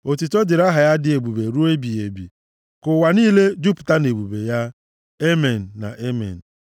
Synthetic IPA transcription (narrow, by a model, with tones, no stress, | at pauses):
o˨ti˨to˦dɪ˨ɾa˦ɦa˨ja˦dɪ˦e˨bu˨be˨ɾu˦e˦bi˨e˨bḭ˨ | kʊ˨wa˨niː˦le˦d͡ʒu˦pta˦ne˨bu˨be˨ja˦ | e˦me˨n̩ː˨a̰˨ʔe˦mḛ˨n̩˨